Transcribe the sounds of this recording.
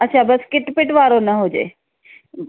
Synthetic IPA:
ɐtːʃʰaːbɐskɪʈpɪʈʋaːɾonɐɦoːd͡ʒḛː

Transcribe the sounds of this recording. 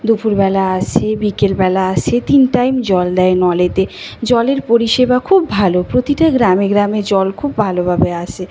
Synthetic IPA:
d̪upuɾbɛlaaʃʰebikelbɛlaaʃʰet̪inʈajmd͡ʑɔld̪ɛenɔlet̪ed͡ʑɔleɾpoɾiʃebakʰubːʱalopɾot̪iʈaɡɾameɡɾamed͡ʑɔlkʰubːʱalobʱabeat͡ɕʰe

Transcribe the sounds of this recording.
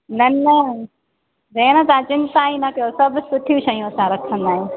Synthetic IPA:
nɐnɐ | ɾẽːnãt̪ãt͡ɕɪnt̪aːĩnɐkɐjosɐbsʊʈʰijũʃɐijũɐsãɾɐkʰə̃nd̪aːɦẽ

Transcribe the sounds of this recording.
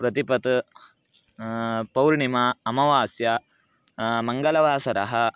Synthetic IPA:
pɾɐt̪ipɐt̪ | pɐwɾɳimɐːmɐʋaːsjɐ | mɐŋɡɐlɐʋaːsɐɾɐɦɐ

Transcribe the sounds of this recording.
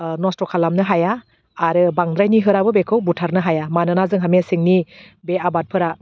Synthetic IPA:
nɔstɔkʰalamnɯɦajaː | ɾɯbaŋdɾajniɦɯɾabɯbekʰɯwbutʰaɾnɯɦajamanɯnazɯŋɦamesiŋni | beabat̚pʰɯɾa

